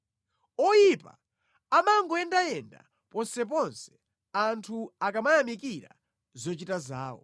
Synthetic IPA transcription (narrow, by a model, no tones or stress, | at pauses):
ɔjipa̰ | amaŋɡɔɛndajɛnda̰ | pɔnsɛpɔnsɛ̥ | antʰuakamajamikiɾa̰ | zɔt͡ʃitazaːwɔ̰